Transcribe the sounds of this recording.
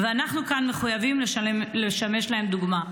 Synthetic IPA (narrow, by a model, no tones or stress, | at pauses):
veanaχnukanme̞χujavimleʃmleʃame̞ʃlahe̞md̪uɡma